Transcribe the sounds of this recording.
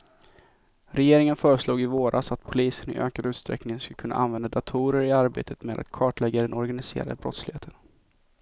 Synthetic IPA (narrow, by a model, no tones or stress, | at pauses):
ɾɛjeːɾɪŋənfœːɾəsluːɡɪvoːɾʔasat̪pʰʊliːsənɪ̰ʔøːkad̪ʉ̟ːt̪st̪ɾɛ̰knɪŋənskɵlkʰɵnːʔaʔa̰nvɛnd̪ad̪at̪ʰuːɾəɾɪaɾbḛːt̪ʰət̪meːd̪a̰t̪kʰɑːʈlɛɡːad̪ɛnɔɾɡanɪsḛːɾa̰d̪əbɾɔ̰t̪slɪheːt̪ʰən